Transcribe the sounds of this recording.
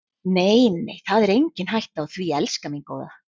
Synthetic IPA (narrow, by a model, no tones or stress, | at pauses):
neːjnejθaðɛɾejɲcɪnɦajht̪awθviɛlskaminko̰wða̰